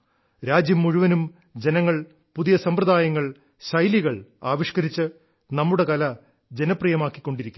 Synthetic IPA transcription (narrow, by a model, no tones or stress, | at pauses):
ɾaːd͡ʑjɐmːuɻuʋɐnum | d͡ʑe̞nɐŋːɐɭ | puðijɐsɐmprɐd̪aːjɐŋːɐɭ | ɕɐjliɣɐɭaːʋiʂkɐɾit͡ɕːɨ | nɐmːuɽe̞kɐlɐ | d͡ʑe̞nɐprijɐmaːkːikʲːo̞ɳɖiɾikʲːum